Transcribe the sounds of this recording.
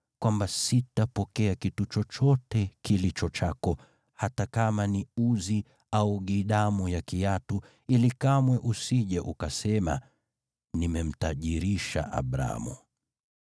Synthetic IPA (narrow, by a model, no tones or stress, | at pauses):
kwambasitapɔkɛakitut͡ʃɔt͡ʃɔtɛkilit͡ʃɔt͡ʃakɔ | hatakamaniuzi | auɠiɗamujakijatu | ilikamwɛʔusiʄɛʔukasɛma̰ | nimɛm̩taʄiɾiʃa̰ʔa̰ɓɾa̰mṵ